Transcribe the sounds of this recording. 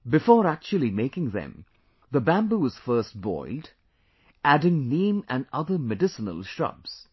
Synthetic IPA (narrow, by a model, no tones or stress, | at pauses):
bɪfɔːɾæk̚t͡ʃuəlˠimekɪ̃ŋðɛ̰̃m | ðəbæ̃mbuʋʌz̥fɜɾsʈ̚bɔ̰ɪld | ʔæɖɪ̃ŋnĩːmæ̃nʌðəmɨɖɪsənə̰lˠʃɹʌ̰bz̥